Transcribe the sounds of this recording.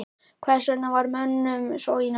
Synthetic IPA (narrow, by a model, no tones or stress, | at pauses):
kʰvɛɾ̥sɛnːavaɾmœnːʏmsowin